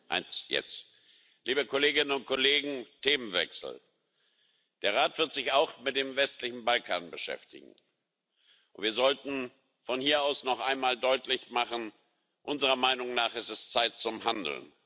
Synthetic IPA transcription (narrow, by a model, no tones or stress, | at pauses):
ʔa̰ɪnsjɛ̰t͡s | liːbəkʰoleːɡɪnənʊnt̚kʰɔleːɡŋ̩tʰeːmənvɛ̰ksl̩ | d̥eːɐʁ̞aːtv̥ɪɐtz̥ɪçaʊxmɪt̚d̥eːmvɛstlɪçn̩balkʰaːnbəʃɛ̰ftɪ̰ɡŋ̩ | ʔʊntviːɐzɔltn̩ | fɔnhiːɐaʊsnɔχʔaɪnmaːldɔʏtlɪçmaχn̩ | ʔʊnzəʁɐmaɪnʊŋnaːχɛstɛst͡saɪtt͡sʊmhandl̩̰n